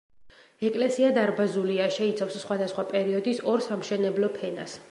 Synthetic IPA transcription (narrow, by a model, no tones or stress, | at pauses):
ɛkʼlɛsiad̪aɾbazuliaʃɛit̪sʰafsːχwad̪asχwapʼɛɾiɔd̪isɔɾsamʃɛnɛblɔpʰɛna̰s